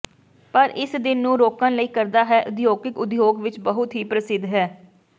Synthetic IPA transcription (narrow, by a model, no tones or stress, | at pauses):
pəɾʔɪsd̪ɪnːũːɾoːkə̃nləiːkəɾd̪aːɦɛːʔʊd̪joːɡɪkʊd̪joːɡʋɪt͡ʃbəɦʊt̪ɦiːpɾəsɪd̪ːɦɛː